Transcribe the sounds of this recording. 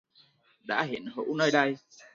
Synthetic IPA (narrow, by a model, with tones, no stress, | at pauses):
ɗa̰ː˧˥ɦi˧˨˩ənhə̰˧˥wnəː˧jɗa˧j